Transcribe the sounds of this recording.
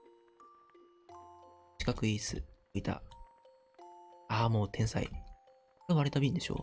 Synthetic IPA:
t͡ɕi̥kakɯ̟iːsɨ̰oit̪a̰ | aːmo̞ːt̪ʰẽ̞ɰ̃sa̰ḭ | eβaɾet̪abʲĩnd̪e̞ɕo̞̰ː

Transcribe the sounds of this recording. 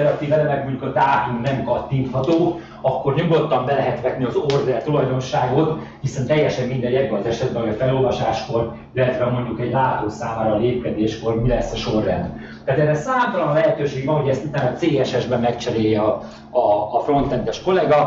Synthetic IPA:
ɛɾɒt̪iːvɛlɛmɛɡ̚muɲukot̪aːt̪uŋnɛmkɒt̪ːiːnt̪hɒt̪oː | ɒkːo̞rɲoɡo̞t̪ːɒmbɛlɛɦɛt̪ʋɛt̪niɒzord̪ɛlt̪ulɒjd̪o̞nʃaːɡo̞t̪hisɛnt̪ɛjːɛʃɛmːind̪ɛjjɛɟvolt̪ɛʃɛd̪̚bɛnɦoɒfɛlo̞lvɒʃaːʃko̞r | ilːɛt̪ʋɛmo̞ɲɟukɛɟlaːt̪oːsaːmaːɾɒleːp̚kɛd̪eːʃko̞rmilɛsːɛʃo̞rːɛ̰nd̪ | t̪aːt̪ɛrːɛsaːmt̪ɒlɒnlɛɦɛt̪øːʃeːɡvɒnɦoɟɛst̪ut̪aːnɒt̪seːɛʃɛʒbɛmːɛkt͡ʃɛɾeːjːɛɒ | ɒːfro̞nt̪ɛnd̪ɛʃko̞lɛɡɒ

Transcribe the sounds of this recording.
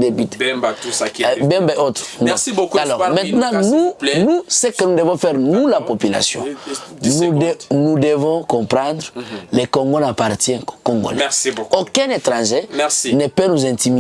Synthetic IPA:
d̪ebyt̪ | bɛ̃mbɛot̪ʁnɔalɔʁmɛ̃t̪nãnunusɛkənud̪əvɔ̃fɛʁnulapopyla̰sjɔ̰̃nudnud̪əvɔ̃kɔ̃pʁɑ̃d̪ʁlɛkɔ̃ŋɡolapaʁt̪jɛ̃kkɔ̃ŋɡo̰lɛokɛ̃net̪ʁɑ̃ʒenɛpanuzɛ̃t̪imi

